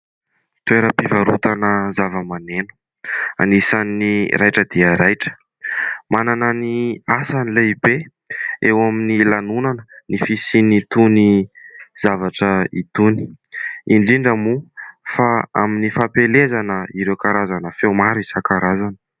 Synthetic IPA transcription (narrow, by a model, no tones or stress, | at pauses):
t̪ueɾəpivaɾut̪anəzavəmanenə̥ | a̰nisanːiɾʔajʈ͡ʂəd̪iəɾajʈ͡ʂə̥ | manananiasanileibe | ewaminilanunanənifisinit̪uniz̥avaʈ͡ʂəḭt̪uni̥ | iɳɖ͡ʐiɳɖ͡ʐəmufaa̰minifapelezanəiɾewkaɾazanəfewmaɾuisakaɾazanə̥